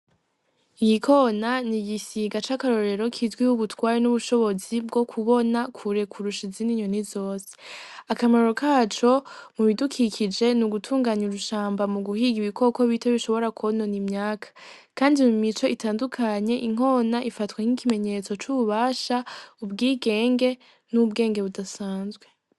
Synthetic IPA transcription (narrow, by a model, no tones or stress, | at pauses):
ijikʰo̞naniɡisiɡat͡ʃakaɾo̞ɾe̞ɾo̞kʰizɡwiuβutwaːɾenuβuʃo̞βo̞zib̚ɡo̞kʰuβo̞nakʰuɾe̞kʰuɾuʃiziniɲonizo̞ːse̥akamaɾo̞kaːt͡ʃo̞muβidukʰikʰid͡ʒe̞nuɡutʰuːŋɡaːɲuɾuʃaːmbamuɡuhiɡiβiko̞ko̞βitʰeβiʃo̞βo̞ɾakʰononimɲaːkʰḁkaːndimumit͡ʃo̞ʔitaːndukʰaɲe̞ʔiŋ̥o̞naʔifatwaŋ̥ikime̞ɲe̞t͡so̞t͡ʃuβuβaːʃaubɡiːɡe̞ːŋɡe̞ | nubɡe̞ːŋɡe̞βudasaːnzɡwe̞